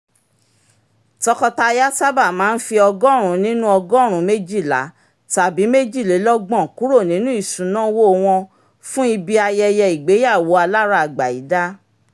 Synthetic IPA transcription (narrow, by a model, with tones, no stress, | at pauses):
tɔ˧kɔ˧ta˧ja˦sa˦ba˦˨mãː˨˦n̩˦fi˧ɔ˧ɡɔ̃˦˨ɾ̃ũ˨˦nĩ˦nũ˦ɔ˧ɡɔ̃˦˨ɾ̃ũ˨˦me˦d͡ʒi˦˨la̰˨˦ | ta˨bi˨˦me˦d͡ʒi˦˨le˨˦lɔ˦ɡ͡bɔ̃˦˨ku˨˦ɾo˦˨nĩ˨˦nũ˦i˦˨ʃũ˨˦nã˦wo˦˧w̃ɔ̃˧ | fũ˦i˧bi˧a˧jɛ˧jɛ˧i˨ɡ͡be˨˦ja˦˨wo˨˦a˧la˦ɾa˧a˨ɡ͡ba˨i˨˦da˦